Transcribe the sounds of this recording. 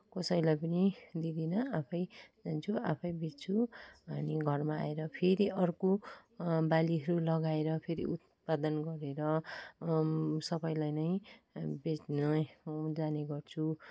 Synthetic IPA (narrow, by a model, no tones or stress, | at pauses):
kʌsʌjlajpʌnid̪id̪ʱinʌapʰʌjd͡zant͡sʰuapʰʌjbet͡sʰuʌniɡʱʌrmaa̰eɾʌpʰeɾiʔʌrko | baliɦʌɾulʌɡaeɾʌpʰeɾḭut̪̚pad̪ʌnɡʌɾeɾʌ | sʌbʌjlajnʌjbet͡snʌd͡zaneɡʌrt͡sʰu